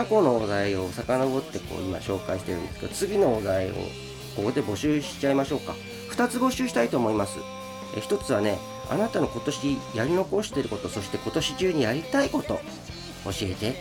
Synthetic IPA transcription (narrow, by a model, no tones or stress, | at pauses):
kako̞no̞od̪aeo̞sakano̞bo̞t̪ːe̞ko̰ːima̰ɕo̞ːkaiɕit̪e̞ɾɯ̟nd̪esɨ̥ke̞d̪ot͡sɨbʲino̞ːd̪aeo̞̰ | ko̞ko̞d̪e̞bo̞ɕɨːɕi̥t͡ɕaimaɕo̞ːka | ɸɯ̟̥t̪at͡sɨbo̞ɕɨːɕi̥t̪ait̪o̞ːmo̞imasɨ̰ | ḛçi̥t̪o̞t͡sɨβ̞ane̞ | a̰nat̪ano̞ko̞t̪o̞ɕijaɾʲino̞ko̞ɕi̥t̪e̞ɾɯ̟ko̞t̪o̞so̞ɕi̥t̪e̞ko̞t̪o̞ɕi̥t͡ɕɨːɲ̟ijaɾʲit̪aiko̞t̪o̞ | oɕie̞t̪e̞